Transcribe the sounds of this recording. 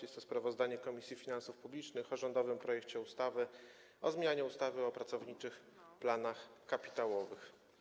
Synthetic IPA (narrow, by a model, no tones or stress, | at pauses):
ɛst̪ɔspɾavɔzd̪aɲɛkɔmʲisʲjifʲinansufpublʲit͡ʂnɘxɔʐɔnd̪ɔvɘmpɾɔjɛk̚t͡ɕɛust̪avɘ | ɔzmʲjaɲɛust̪avɘɔpɾat̪sɔvɲit͡ʂɘx | planaxkapʲi̥t̪awɔvɘx